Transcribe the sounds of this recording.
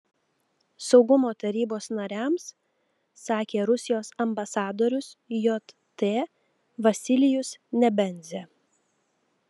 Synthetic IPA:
sɒʊɡʊmoːt̪ɐɾʲiːboːsnɐɾʲæˑmsː | ɑːkʲeːɾʊsʲɪjoːsɐmbɐsɑːd̪oːɾʲʊsjot̪ | t̪eː | ʋɐsʲɪlʲɪjʊsnʲɛbʲɛnʲzʲeː

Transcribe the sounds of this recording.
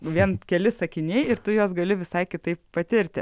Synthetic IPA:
ʋʲiɛnkʲɛlʲɪsɐkʲɪnʲeːɪɾt̪ʊjoːsɡɐlʲɪʋʲɪsɐɪkʲɪt̪ɐɪppɐt̪ʲɪɾʲt̪ʲɪ

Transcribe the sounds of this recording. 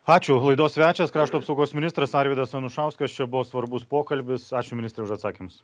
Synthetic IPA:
ɑːt͡ʃʲʊlˠɐɪd̪oːssʲʋʲæːt͡ʃʲɛskɾɑːʃt̪uːɐpsɐʊɡoːsmʲɪnʲɪst̪ɾɐsɑːɾʲʋʲiːd̪ɐsɐnʊʃɑˑʊskɐst͡ʃʲɛbʊʋoːsʋɐɾbʊspoːkɐlʲbʲɪsɑːt͡ʃʲʊmʲɪnʲɪst̪ɾʲɛʊʃɐt̪sɑːkʲimʊs

